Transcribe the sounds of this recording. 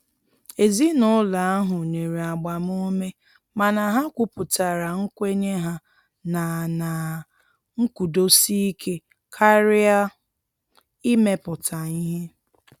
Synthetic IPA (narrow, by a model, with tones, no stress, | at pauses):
e˨zi˦nʊ˦la˨a˦ɦʊ˨ne˨ɾi˨a˨ɡ͡ba˨m˦o˦me˦ | ma˨na˨ɦa˦kʷu˦pʊ˨ta˨ɾa˨ŋ̩˦kʷe˦ɲe˦ɦa˦ | na˨na˨ | ŋ̩˦ku˨do˦si˦kʰe˦ | kʰa˦ɾɪ˦a˦ | i˦me˦pʊ˨ta˨i˦ɦe˦